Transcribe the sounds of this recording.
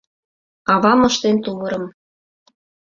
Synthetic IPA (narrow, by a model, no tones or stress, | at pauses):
ɑβɑmɤ̆ʃt̪ent̪uβɤ̆ɾɤ̆m